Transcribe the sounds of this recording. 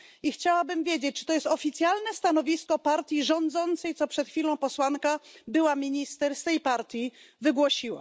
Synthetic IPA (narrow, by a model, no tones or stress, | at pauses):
ixt͡ɕawabɘmvʲjed͡ʑet͡ɕ̚t͡ʂɘ̥t̪ɔjɛst̪ɔfʲit̪sʲjalnɛst̪anɔvʲiskɔpaɾt̪ʲjiʐɔnd̪zɔnt̪sɛjt̪sɔpʂɛt̪xfʲilɔ̃w̃pɔswankabɘwamʲiɲist̪ɛɾst̪ɛjpaɾt̪ʲjivɘɡwɔɕiwa̰